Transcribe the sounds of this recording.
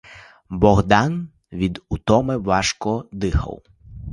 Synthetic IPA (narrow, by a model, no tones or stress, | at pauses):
bɔɣd̪ɑn | ʋʲid̪ut̪ɔmɪʋɑʃkɔd̪ɪxɐ̰w